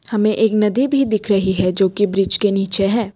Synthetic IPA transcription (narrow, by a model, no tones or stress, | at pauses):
hɐmẽʔeːknɐd̪ibʱid̪ɪkʰɾɐɦiɦɛd͡ʒoːkibɾɪd͡ʒkeniːt͡ʃeɦɛ̃ː